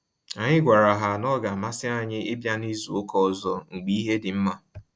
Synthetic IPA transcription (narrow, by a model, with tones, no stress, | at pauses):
a˨ɲɪ˦ɡʷa˨ɾa˨ɦa˨nɔ˦ɡa˨ma˦sɪ˦a˦ɲɪ˦ɪ˦bja˦ni˦zu˨o˦kɔ˦˨zɔ˦ŋ̩˨ɡ͡bi˦i˦ɦe˦dɪ˨m̩˦ma˦